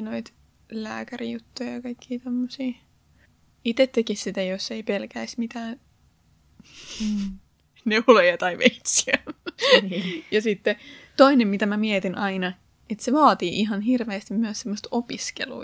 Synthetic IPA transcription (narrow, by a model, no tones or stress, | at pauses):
noit̪ | læ̰ːkærijut̪ːujɑjɑkɑikːiːt̪omːosiː | it̪et̪ːekissit̪æjosːeipelkæismit̪æːn | neulojɑt̪ɑiʋeit̪siæ | jɑsit̪ːet̪oinemmit̪æmæmiet̪inʔɑinɑ | et̪seʋɑːt̪iːʔiɦɑnhirʋeːst̪immyæssemːost̪opiskḛlṵː